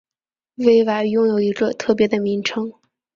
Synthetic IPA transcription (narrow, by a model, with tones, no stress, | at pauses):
we˥ɪwa˨˧˩ɪjʊ˥˧ŋjo˨˩ʊi˧˥ɡə˧t̪ʰɤ˥˩p̬jɛ˧˥d̪ə˧mi˧˥ŋʈ͡ʂʰɤ˥ŋ